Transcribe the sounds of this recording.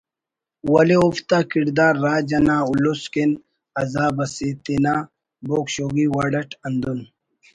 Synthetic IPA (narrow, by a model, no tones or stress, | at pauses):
wɐleuft̪aːkiɾd̪aːɾːaːd͡ʑɐnaːulosken | ɐzaːbɐsit̪inaː | boːkɕoːɡiwaːɖɐʈʰɐnd̪un